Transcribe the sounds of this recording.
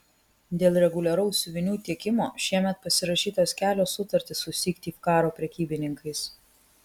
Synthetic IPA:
d̪ʲeːlˠɾʲɛɡʊlʲɛɾɐʊsʲʊʋʲɪnʲuːt̪ʲiɛkʲɪmo̰ːʃʲiɛmʲɛt̪̚pɐsʲɪɾɐʃʲiːt̪oːskʲæːlʲoːsːʊt̪ɐɾʲt̪ʲɪsʊsʲiːkt̪ʲiːfkɑːɾoːpʲɾʲɛkʲiːbʲɪnʲɪŋkɐɪs

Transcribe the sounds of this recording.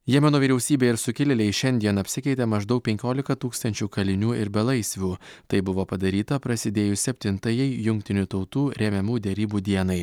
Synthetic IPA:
jiɛmʲɛnoːʋʲiːɾʲɛʊsʲiːbʲeːɪɾsʊkʲɪlʲɪlʲɛɪʃʲɛnʲd̪ʲiɛnɐpʲsʲɪkʲɛɪt̪ʲɛmɐʒd̪ɐʊk̚pʲɛŋʲkʲoːlʲɪkɐt̪uːkst̪ɐnʲt͡ʃʲuːkɐlʲɪnʲuːɪɾbʲɛlˠɐɪsʲʋʲuːt̪ɐɪbʊʋoːpɐd̪ɐɾʲiːt̪ɐpɾɐsʲɪd̪ʲeːjʊsʲɛpʲt̪ʲɪnt̪ɐjɛɪjʊŋkt̪ʲɪnʲut̪ɒʊt̪uːɾʲɛmʲɛmuːd̪ʲɛɾʲiːbuːd̪ʲiɛnɐɪ

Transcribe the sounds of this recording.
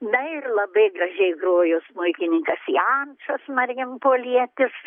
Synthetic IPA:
nɐɪrlˠɐbɐɪɡrɐʒʲɛɪɡroːjoːsmʊɪkʲɪnʲɪŋkɐsiːɐnʃɐsmɐrʲjʲɪmpoːlʲiɛt̪ʲɪs

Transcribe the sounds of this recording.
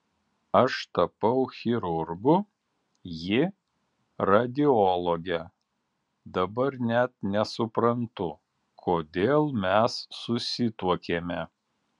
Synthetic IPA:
ɐʃt̪ɐpɐʊxʲɪɾʊɾɡʊ | jɪ | ɾɐd̪ʲɪɔlˠɔɡʲɛ | d̪ɐbɐɾnʲɛt̪̚nʲɛsʊpɾɐnt̪ʊ | kʰoːd̪ʲeːlˠmʲɛsːʊsʲɪt̪uɔkʲeːmʲɛ

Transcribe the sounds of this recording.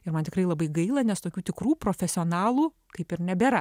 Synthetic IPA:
ɪɾmɐnt̪ʲɪ̥krɐɪlˠɐbɐɪɡɐɪlˠɐnʲɛst̪oːkʲuːt̪ʲɪkruːpɾoːfʲɛsʲɪoːnɑːlˠuː | kɐɪpɪɾnʲɛbʲɛːɾɐ

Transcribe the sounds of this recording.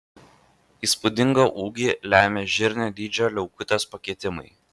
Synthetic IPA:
iːspʊd̪ʲɪŋɡɐʔuːɡʲiːlʲæːmʲeːʒʲɪɾʲnʲɛd̪ʲiːd͡ʒʲoːlʲɛʊkʊt̪ʲospɐkʲiɛt̪ʲɪmɐ̰ɪ

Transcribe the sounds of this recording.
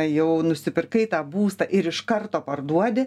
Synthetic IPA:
jɛʊnʊsʲɪpʲɪrkɐɪt̪ɑːbuːst̪ɐʔɪɾɪʃkɐrt̪oːpɐrd̪uɔd̪ʲɪ

